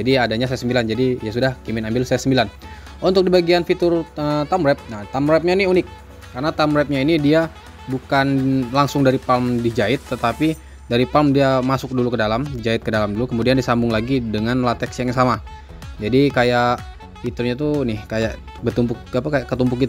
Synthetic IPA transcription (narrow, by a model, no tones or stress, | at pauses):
d͡ʒadiadaɲas̬ɛsəmbiland͡ʒadiijas̬udahkimɪnambɪlsɛsəmbilan | ʔunt̪ʊk̚dibaɡianfit̪ʊrət̪amɾɛp̚naht̪amɾɛp̚ɲainiunɪk̚ː | aɾənat̪amɾɛp̚ɲainidia | bukanlaŋsʊŋdaɾipalmdid͡ʒaɪt̪ːət̪api | daɾipalmdiamasʊk̚dulukədalamdid͡ʒaɪt̪̚kədalamdulukəmudiandisambʊŋlaɡidəŋanlat̪ɛksjaŋsama | d͡ʒadikajaʔ | fit̪ʊrɲat̪̬unɪhkajaʔ | bət̪umpʊkapakajaʔkət̪umpʊkit̪u